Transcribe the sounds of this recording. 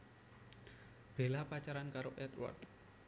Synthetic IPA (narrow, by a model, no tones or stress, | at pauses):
b̥e̤lapat͡ʃaɾankaɾoʔɛt̪wɔ̰rt̪̚